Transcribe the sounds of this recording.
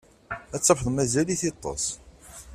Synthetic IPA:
æt͡sːəħðˤmæzæliθit̪ˤːɑ̰sˤ

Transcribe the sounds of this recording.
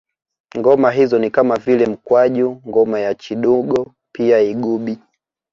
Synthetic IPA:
ŋɡɔmaɦizɔnikamavilɛm̩kwaʄuŋɡɔmajat͡ʃiɗuɡɔ | piaiɡuɓi

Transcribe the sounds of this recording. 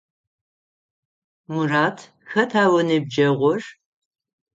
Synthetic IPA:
muraːtʰ | xɐtʰaːwɐnɨb̚d͡ʒɐʁʷɔr

